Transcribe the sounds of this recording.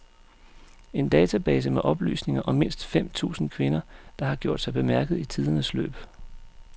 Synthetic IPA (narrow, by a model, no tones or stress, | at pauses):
e̝nd̥ɛːt͡sʰæb̥ɛːsəmeʔɒ̽b̥ly̰ːsne̝ŋɐʔɒ̽me̝n̰sd̥fem̰t͡sʰṵːsn̩kʰʋe̝nɐd̥ɑ̈hɑ̈ɡ̥jo̝ɐ̰d̥sɑɪb̥e̝mæɐɡ̥ð̞̩ˠit͡sʰið̞ˠɐnəslø̰ːb̥